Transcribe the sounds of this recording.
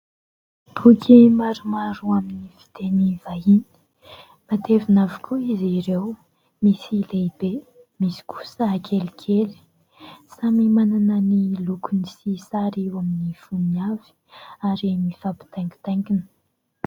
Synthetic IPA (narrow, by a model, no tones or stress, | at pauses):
b̥ʰukʲʰimaɾumaɾuaminivi̥t̪enivaini̥ | mat̪evinavikʲʰuiziɾew | misileibe | misi̥kʰu̥səakʰelikʲʰeli̥ | samimananənilukunisisaɾiwaminifuniav̥i̥aɾimifapi̥t̪ajŋɡi̥t̪ajŋkinə̥